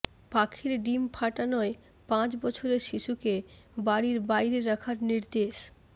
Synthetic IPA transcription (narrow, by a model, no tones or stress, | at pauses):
pakʰiɾɖimpʰaʈanɔe | pãt͡ɕbɔt͡ɕʰoɾeɾʃiʃuke | baɽiɾbajɾeɾakʰaɾniɾd̪eʃ